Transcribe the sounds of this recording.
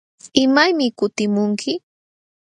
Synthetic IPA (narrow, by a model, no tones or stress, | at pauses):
ɪmajmɪkʊt̪ɪmʊŋkʰɪ